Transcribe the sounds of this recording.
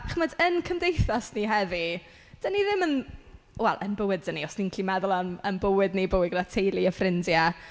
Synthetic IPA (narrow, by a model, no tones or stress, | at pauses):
χmədənkʰəmdejθasniɦɛði | d̥əniðɪmən | wɛ̰lˠʔənbəwɪddəniɔsninkʰlimɛðʊlˠənənbəwɪdnibəwɪɡdatʰejlˠiəfrɪndja